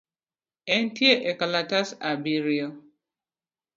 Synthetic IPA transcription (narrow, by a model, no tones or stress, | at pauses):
en̩tieʔekalatasabiɾiɔ